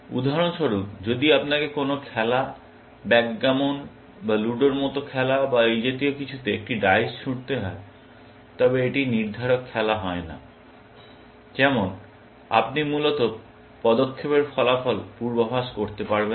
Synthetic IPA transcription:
ṵd̪ʱaɾonʃoɾupd͡ʑod̪iapnakekonokʰɛla | bɛkɡamon | baluɖoɾmɔt̪okʰɛlabaejd͡ʑot̪̬iokit͡ɕʰut̪eek̚ʈiɖajsʃʰuɽt̪eɦɔe | t̪ɔbeeʈiniɾd̪ʱaɾokʰːɛlaɦɔena̰ | kɛmon | a̰p̚nimulot̪o | pɔd̪okʰːepeɾfɔlafɔlpuɾbobʱaʃkoɾt̪epaɾben

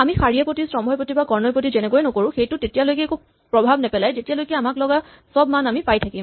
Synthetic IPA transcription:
amixaɹijapotisɹɔmɦɔjpɹotibakɔɹnɔpot̬izɛnɛkojnɔkoɹʊ̃xejtʊtetijalojkɛːku | pɹɔbʱabnɛpɛlajzetialojkɛamaklɔɡa | sɔb̚manamipajtʰakim

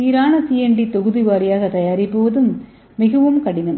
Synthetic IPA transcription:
iːɾaːɳɐsijɐɳɖit̪oɣuðiʋaːɾijaːɣɐt̪ɐjaːɾipːoːʋɐðumː | iɣɐʋɐmkɐɽinːɐm

